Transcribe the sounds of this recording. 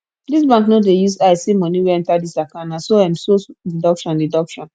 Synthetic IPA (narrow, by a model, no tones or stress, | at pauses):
dis̬bãŋknodejusasimɔniweɛ̃ntadisakãnãsoãmsodidɔkʃɔ̃ndidɔkʃɔ̃n